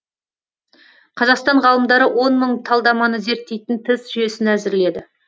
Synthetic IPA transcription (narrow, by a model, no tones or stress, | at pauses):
qʰɑzɑqst̪ɑɴʁɑlˠəmd̪ɑɾəwʔo̞nməɴt̪ʰɑlˠd̪ɑmɑnəze̞ɾt̪ːe̞jt̪ɪnt̪ʰɪsʒ̥ʏje̞sɪnæzɪɾle̞d̪ɪ